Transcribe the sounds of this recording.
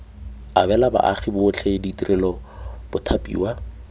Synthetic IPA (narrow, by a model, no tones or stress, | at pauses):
abɛlaba̰ʔaχibʊʊt͡ɬʰɛɪditʼirʔɛlɔb̥ʊtʰapʼḭːwa